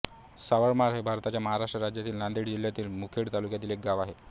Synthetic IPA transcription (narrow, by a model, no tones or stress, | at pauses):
saʋəɽmaɾɦebʱaɾt̪at͡ɕjaməɦaɾaʂʈɾəɾad͡ʑjat̪iːlnand̪eɽd͡ʑil̤jat̪iːlmukʰeɽt̪alukjat̪iːlek̚ɡaʋaɦe